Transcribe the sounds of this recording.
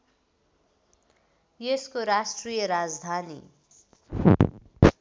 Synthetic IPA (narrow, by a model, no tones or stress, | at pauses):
jeskoɾasʈrijʌɾad͡zd̪ʱanḭ